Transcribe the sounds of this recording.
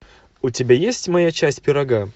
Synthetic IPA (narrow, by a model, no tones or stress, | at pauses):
ʊtʲɪbʲajesʲtʲmɐjat͡ɕæsʲtʲpʲɪɾɐɡa